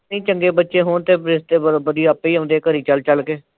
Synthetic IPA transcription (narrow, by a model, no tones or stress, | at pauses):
ĩːt͡ʃəŋɡeːbət̪ːʃeːɦoːɳt̪eːpɾɪst̪eːbəɾbəd̪iːaəpːiːɦõːnd̪eːkəɾiːt͡ʃəlt͡ʃəlkeː